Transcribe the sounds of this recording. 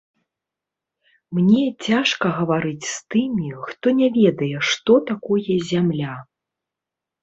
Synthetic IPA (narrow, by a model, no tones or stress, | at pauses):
mnʲɛt͡sʲaʂkɐɣɐvaɾɨt͡sʲst̪ɨmʲixt̪ɔnʲavʲɛd̪ɐjɛʂt̪ɔt̪akɔjɛzʲamlʲa